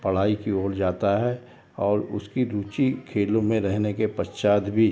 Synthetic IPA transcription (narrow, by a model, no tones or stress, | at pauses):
pɐɽ̤aːikioːld͡ʒaːt̪aɦɛ | ɔːɾʊ̰skiɾuːt͡ʃikʰeːlõmẽɾɛɦnekepɐst͡ʃaːd̪bʱi